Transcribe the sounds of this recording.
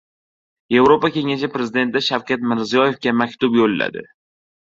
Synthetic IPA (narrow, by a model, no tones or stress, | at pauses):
je̞vɾopakʲe̞ŋaʃɪpɾe̞zɪd̪et̪ɪd̪aʃawkʲat̪mɪɾzijɒje̞fkʲamakʲt̪ʊbjolla̰d̪ɪ̰